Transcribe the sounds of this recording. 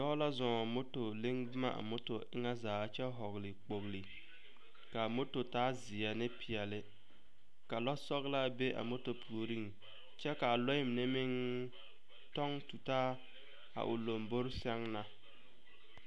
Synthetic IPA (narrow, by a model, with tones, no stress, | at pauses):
jɔ˦la˦zɔ˨mo˦to˨lɪ˦ŋbʊ˦ma̰˦ʔa̰˨mo˦to˨ʔɪ˦ŋa˦zaː˨˦t͡ʃɛ˦ɦɔ˨ɣlɪ˨k͡po˨ɣli˨ | ka˨mo˦to˨taː˦zɪ˨ja˨nɪ˦pʰɪ˨ɛ˨lɪ˦ | ka˨lɔ˦sɔ˦ɣla˦be˦ʔa̰˨mo˦to˨pʰu˨o˨ɾi˦ŋ | t͡ʃɛ˦ka˨lɔ˦ɪ˦m˨nɪ˦mɪ˦ŋ | tɔ˦ŋtu˨taː˦ | a̰˨ʔʊ̰˨lo˨mbo˦ɾsɛ˦ŋna˦